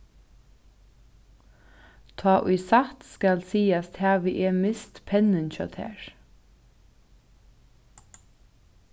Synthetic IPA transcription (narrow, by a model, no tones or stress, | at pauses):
t̪ʰɑːʔʉɪsɑt̪skɑlsiːɑst̪ʰhæːʋiːʔeːmɪst̪pʰɛnənçœ̰t̪hæ̰ːɹ